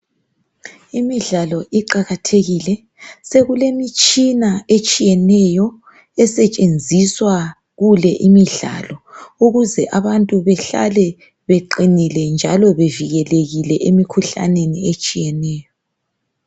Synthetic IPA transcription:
imiɮalɔʔiǃaɣatʰeɣilɛ | seɣulemit͡ʃʼinaet͡ʃʼijɛnɛjɔ | ɛsɛt͡ʃʼend͡zʱiswa | ɣulɛʔimiɮa̰lɔuɣuzɛʔaβantʼuβɛɬa̰lɛ | βeǃinilɛnd͡ʒʱalɔβeviɣɛleɣilɛʔemikʰuɬa̰neniet͡ʃʼijɛnɛːjɔ

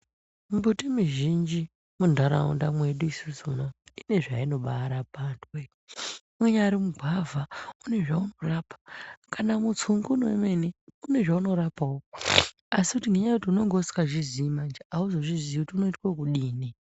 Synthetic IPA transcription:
mubutimiʒind͡ʒi | mundʱaɾa̰ṵndamwe̞ɗuisuzunoine̞ʐaino̞ɓaːɾapandwe | mweɲaɾimuɡʱavʱaune̞ʐaunorapḁkanamut͡sʰuŋɡunoeme̞neune̞ʐauno̞ɾapawo | asikutineɲautiuno̞ŋɡosi̥kaʐiziːmand͡ʒiauzoʐizikutiuno̞itwokuɗiːni

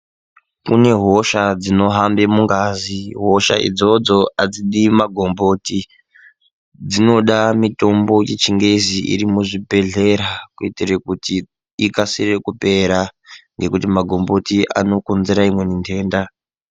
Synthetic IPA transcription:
kune̞ɦo̞ʃad͡zino̞ɦambemuŋɡaziɦo̞ʃa̰ʔḭd͡zo̞d͡zo̞ad͡ziɗimaɡʱombo̞ti | d͡zino̞ɗamito̞mbo̞jet͡ʃiŋɡe̞ziʔḭɾimuʐibʱe̞ɮe̞ɾakuitirekuti | ikasirekupe̞ɾaŋɡe̞kutimaɡʱo̞mbo̞tiʔa̰no̞kunzeɾaimwe̞nintʰe̞ːnda

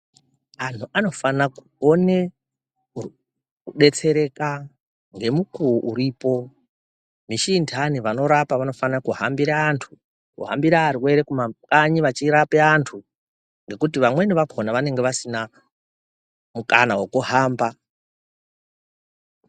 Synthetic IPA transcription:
antʰuʔano̞fanakuone̞ | u | kuɗe̞t͡se̞ɾe̞ka | ŋɡe̞mukuʔuɾiːpo̞ | miʃiːntʰaniʋano̞ɾapaʋano̞fanakuɦambiɾaːntʰu̥ | kṵɦa̰mbiɾaːɾiwe̞ɾekumakaɲiʋat͡ʃiɾapeantʰu | ŋɡe̞kut̬iʋamwe̞niʋakʰonaʋane̞ŋɡeʋasina | mukanawokuɦaːmba

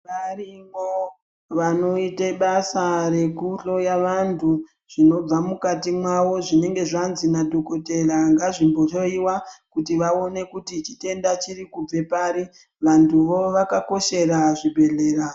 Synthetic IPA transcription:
ʋarimo | ʋano̞iteɓasaɾe̞kuɬo̞jaʋantʰu | ʐ̥ino̞b͡vamukatimwaʋo̞ʐine̞ŋɡe̞ʐanzinadʱokote̞raŋɡaʐimbo̞toiwakutiʋao̞ne̞kutit͡ʃite̞ndat͡ʃiɾikub͡ve̞paɾi | ʋantʰuʋo̞ʋakako̞ʃe̞ɾaʐibʱe̞ɮe̞ːra

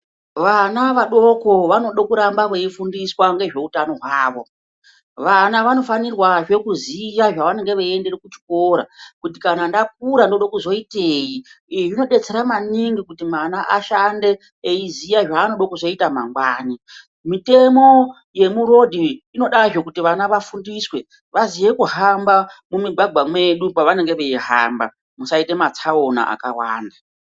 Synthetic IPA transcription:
ʋanaʋaɗo̞ko̞ʋano̞ɗokuɾambaʋeifundiswaŋɡe̞ʐe̞utano̞ɦwaːʋo̞ | ʋanaʋano̞fanirwaʐe̞kuzijaʐaʋane̞ŋɡe̞ʋaende̞rekut͡ʃi̥koɾa̰kutikanandak̚uɾandoɗokuzo̞itejiiiʐino̞ɗe̞t͡se̞ɾamaniŋɡikutimanaʔaʃande̞ː | izijaʐaːno̞ɗokuzo̞itamaŋɡwaːni | mite̞mo̞ | je̞muɾo̞dʱiːno̞ɗaʐo̞kutiʋanaʋafundiswe̞ | ʋazije̞kuɦambamumiɡʱwaɡʱwamwe̞ɗupaʋane̞ŋɡe̞ʋeiɦa̰mba̰ | musaite̞mat͡sʰaona̰ʔa̰kawa̰ːnda

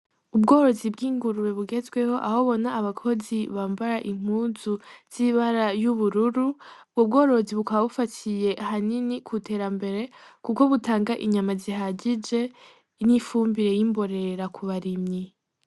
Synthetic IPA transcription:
ubɡo̞ːɾo̞zibɡiːŋɡuɾuwe̞βuɡe̞zɡwe̞ho̞ʔaho̞βo̞naːβakʰo̞ziβaːmbaɾaʔiŋ̥uːzuz̥iβaɾajuβuɾuɾu̥ | ub̚ɡo̞ːɾo̞ziβukaβaβufatʰije̞ʔhaninikʰutʰe̞ːɾambe̞ɾe̞kuko̞βutaːŋɡaʔiɲamaziɦaɟid͡ʒe̞ | nifuːmbiɾe̞jimbo̞ɾe̞ɾakʰuβaɾimɲi

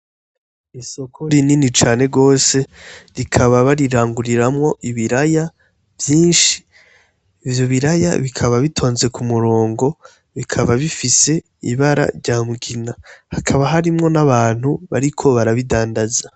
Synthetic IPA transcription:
iso̞kʰoɾininit͡ʃaːne̞ɡo̞ːse̞ɾikʰaβaβaɾiɾaːŋɡuɾiɾamŋo̞ʔiβiɾaja | vjiːnʃi̥ː | vjo̞βiɾaja̰βikʰaβaβitʰo̞ːnze̞kʰumuɾo̞ːŋɡo̞ | βikʰaβaβifise̞ | ḭβaɾa̰ɾɟaːmuɡinahakʰaβaɦaɾimŋo̞naβaːn̥huβaɾikʰo̞βaɾaβidaːndaza

